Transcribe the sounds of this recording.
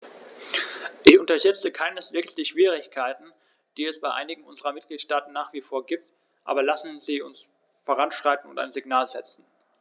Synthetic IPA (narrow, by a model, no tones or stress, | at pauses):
ʔɪçʔʊntɐʃɛt͡səkʰaɪnəsv̥eːksd̥iːʃv̥iːʁ̞ɪçkʰaɪtn̩ | d̥iːɛsb̥aɪʔaɪnɪɡŋ̩ʔʊnzəʁɐmɪt̚ɡ̥liːtʃtaːtn̩nːaːχv̥iːfoːɐɡiːp̚t | ʔa̰ːbɐlasn̩ziːʊns | foːʁ̞anʃʁ̥aɪtn̩ʊntaɪnzɪɡnaːlzɛt͡sn̩